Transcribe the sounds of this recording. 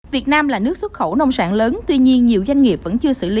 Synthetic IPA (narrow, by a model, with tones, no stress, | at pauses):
vi˨˩ət̚naː˧mlaː˨˩nɨ˦˥ək̚swə˦˥t̚xə˧˩wnə˧wŋ͡msa̰ː˧˩nləː˨˦nt̪wi˧ɲi˧ənɲi˨˩əwzwa˧jŋ̟ŋi˨˩p̚və̰˧˥nt͡ɕɨ˧əsɨ̰˧˩li˨˦